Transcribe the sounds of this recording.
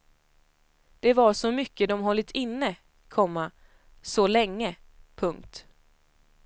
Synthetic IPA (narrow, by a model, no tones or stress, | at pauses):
d̪̥ɛvaʂɔmʏkːəd̪ɔmɦɔlːɪt̪ʰɪnːə | kʰɔmːa | sɔlɛŋːə | pʰɵŋk̚t̪